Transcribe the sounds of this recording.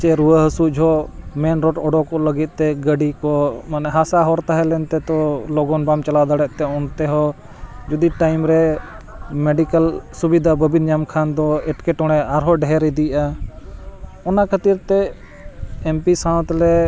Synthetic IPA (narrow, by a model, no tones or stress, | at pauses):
t͡ʃɛɾuəɦəsud͡ʒʱɦɔmɛnɾɔʈɔɖɔkɔləɡit̪̚ˀt̪ɛɡəɖikɔmanɛɦasaɦɔɾt̪aɦɛlɛnt̪ɛt̪ɔlɔɡɔnbamt͡ʃalad̪aɽɛʔ̚t̪ɛɔnt̪ɛɦɔ | d͡ʒud̪iʈajmɾɛ | mɛɖikəlsubid̪ʱabəbinɲamkʰand̪ɔɛʈkɛʈɔɽ̃ɛaɾɦɔɖɛɦɛɾid̪ija | ɔnakʰət̪iɾt̪ɛ | ɛmpisãt̪lɛ